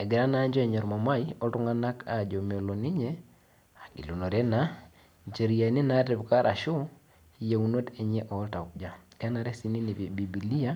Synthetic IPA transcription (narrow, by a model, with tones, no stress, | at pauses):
ɛ˨ɡɛ˨ɾa˦na˦ɲd͡ʒɔ˦ɛ˨ɲɔ˨ɾma˨ma˦i˦ɔ˦tu˦ŋa˦na˦ka˨d͡ʒɔ˨m˨o˨lo˨ni˦ɲɛ˦ | a˨ɡḭ˨lu˨nɔ˨ɾɛ˦na˦ | d͡ʒe˨ɾi˨ja˨ni˦na˦ti˨βka˦ɾʔa̰˨ʃu˦˨ | ja˨u˨no˦tɛ˨ɲɛ˦ʔɔ˨˦ta˨u˨k̚d͡ʒa˨kɛ˦na˨ɾɛ˦si˦ni˦ni˨βi˨bi˨bi˨li˦a˦